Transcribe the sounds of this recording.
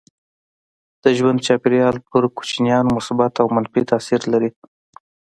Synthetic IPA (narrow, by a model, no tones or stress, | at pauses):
d̪̥əʒwand̪̚t͡ʃɑpeɾjɑlpəɾku̥t͡ʃnijɑnmʊsbɑt̪awmanfit̪asiɾlaɾi